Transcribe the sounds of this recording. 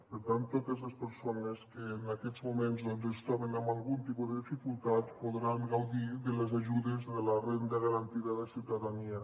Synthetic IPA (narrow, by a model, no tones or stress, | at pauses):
pəɾt̪ant̪ːot̪əzlespəɾsoneskeːnakɛd͡zmumẽnzonzest̪aβenambalˠɣunt̪ipuðəðifikulˠt̪at̪puðɾaŋɡawðiðəlezaʒuðezðelarend̪aɣaɾant̪iðaðəsiwt̪aðania